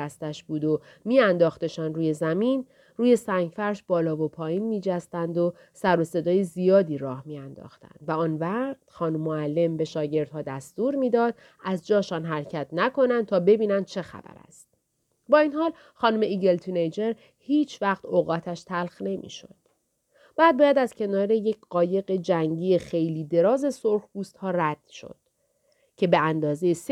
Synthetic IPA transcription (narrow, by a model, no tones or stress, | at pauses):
æst̪æʃbuːd̪o | miːænd̪ɒːxt̪e̞ʃɒːnruːje̞zæmiːn | ruːje̞sæŋɟfæɾʃbɒːlɒːvo̞pʰɒːjiːnmiːd͡ʒæst̪ænd̪o̞ | sæɾo̞se̞d̪ɒːjezijɒːd̪iːɾɒːhmiːænd̪ɒ̰ːxt̪æ̰nd̪væɒːnvæt̪xɒːnumːoælːe̞mbe̞ʃɒːɟe̞ɾd̪̚hɒːd̪æst̪uːɾmiːd̪ɒːd̪̚ | æzd͡ʒɒːʃɒːnɦæɾcʰæt̪ʰnækʰo̞nænd̪̚t̪ʰɒːbe̞biːnænd̪̥̚t͡ʃʰe̞xæ̰bæ̰ɾæ̰st̪̚ | bɒːiːnhɒːl | xɒːnume̞iːɟe̞lt̪ʰinejd͡ʒe̞ɾ | hiːt͡ʃʰvæxt̪ʰoɣɒːt̪ʰæʃt̪ʰælxne̞mʔḭːʃo̞̰d̪̥̚ | b̥æːd̪̚bɒːjæd̪æzcʰe̞nɒːɾeje̞cʰɢɒːje̞ɣe̞d͡ʒæŋɟiːje̞xe̞jliːd̪e̞ɾɒːze̞soɾhbuːst̪hɒːræd̪̥ʃo̰d̪̥ | cʰe̞be̞ænd̪ɒːzejes